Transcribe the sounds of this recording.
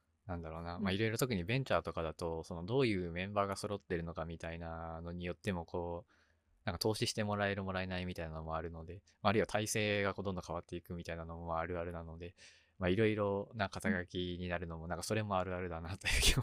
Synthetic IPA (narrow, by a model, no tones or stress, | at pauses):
nãnd̪aɾo̞ːnamaiɾo̞iɾo̞t̪o̞k̬ɯ̟ɲ̟ibẽ̞ɲ̟t͡ɕaːt̪o̞kad̪at̪o̞so̞no̞d̪o̞ːjɯ̟ːmẽ̞mbaːɡaso̞ɾo̞t̪ːe̞ɾɯ̟no̞kamʲit̪ainano̞ɲ̟ijo̞t̪ːe̞mo̞kʰo̞ː | nãŋkat̪o̞ːɕiɕi̥t̪e̞mo̞ɾae̞ɾɯmo̞ɾae̞naimʲit̪ainanomo̞aɾɯ̟no̞d̪e̞ | maːɾɯ̟iβat̪aise̞ːɡako̞ːd̪ond̪õkaβat̪ːe̞ikɯ̟mʲit̪ainano̞moaɾɯ̟aɾɯ̟nano̞d̪e̞ | maiɾo̞iɾo̞nakat̪aɡakʲiɲ̟inaɾɯ̟no̞mo̞nãŋkḁso̞ɾe̞mo̞aɾɯ̟aɾɯ̟d̪anat̪ojɯːki